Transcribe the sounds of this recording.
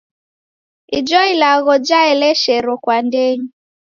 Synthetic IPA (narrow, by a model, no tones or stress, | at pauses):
id͡ʒɔilaɣɔd͡ʒaɛlɛʃɛɾɔkwandɛɲi